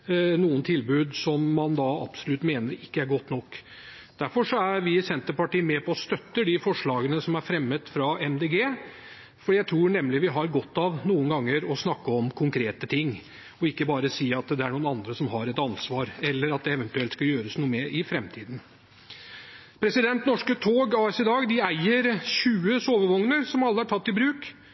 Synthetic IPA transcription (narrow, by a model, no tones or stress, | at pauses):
nuːənt̪ʰɪlbʉːd̪sɔmːɑnd̪ɑɑ̰b̥sʊlʉt̪meːnəɾɪkːəæɾɡɔt̪ːnɔkː | d̪̥æɾfɔʂɔæɾʋɪsɛnt̪əpɑʈiːəmɛpʰɔɔst̪œt̪ːəɖ̪ɪfɔʂɭɑːɡənəsɔmæɾfɾɛmːət̪fɾɑɛmd̪eɡeː | fɔɖiːjæɪt̪ʰɾuːɳɛmlɪʋɪɦɑɾɡɔt̪ːɑʋnuːənɡɑŋːəɾɔsnɑkːəɔmkʰʊŋkʰɾeːt̪ət̪ʰɪŋː | ɔɪkːəbɑːɾəsiːɑt̪d̪ɛæɳuːənɑnd̪ɾəsɔmɦɑɾɛt̪ɑnsʋɑːɾɛlːəɾɑt̪̚d̪ɛɛʋənt̪ʉɛlt̪skɑjøːɾəsnuːəmeːɾʔɪfɾɛmt̪ʰiːd̪n̩ | pʰɾɛsɪd̪ɛnt̪nɔʂkət̪ʰoːɡɑːɛsɪd̪ɑːɡd̪ɪæɪəɾɕʉːəsoːʋəʋɔŋnəɾsɔmɑlːəæʈʰɑt̪ːɪbɾʉːk